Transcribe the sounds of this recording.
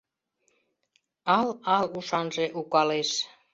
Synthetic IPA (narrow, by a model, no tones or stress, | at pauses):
ɑlɑluʃɑnʒeʔukɑleʃ